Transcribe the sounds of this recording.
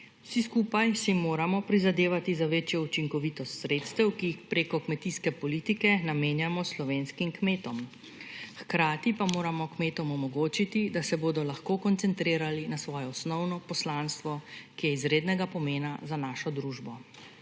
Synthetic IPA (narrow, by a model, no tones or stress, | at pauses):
wsiskuːpajsimoːɾamɔpɾizad̪eːʋat̪izaʋeːt͡ʃjɔut͡ʃiŋkɔʋit̪ɔst̪sɾeːt̪st̪ɛwkiːxpɾeːkɔkmɛt̪iːskɛpɔliːt̪ikɛnameːnjamɔslɔʋeːnskimkmeːt̪ɔm | xkɾaːt̪ipamoːɾamɔkmeːt̪ɔmɔmɔɡoːt͡ʃit̪id̪asɛboːd̪ɔlaxkoːkɔnt̪sɛnt̪ɾeːɾalinasʋɔːjɔɔsnɔwnɔpɔslaːnst̪ʋɔkijɛizɾeːd̪nɛɡapɔmeːnazanaːʃɔd̪ɾuːʒbɔ